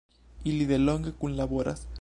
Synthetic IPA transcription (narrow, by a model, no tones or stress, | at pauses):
iliðeloŋɡekunlaβoɾa̰s